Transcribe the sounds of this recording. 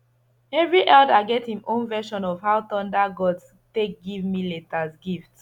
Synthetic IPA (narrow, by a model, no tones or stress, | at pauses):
ɛvɹiʔɛldaɪɡɛthĩmʔõnvɛʃɔ̃nɔvhawtɔ̃ndaɡɔd | tek̚ɡivmiletasɡift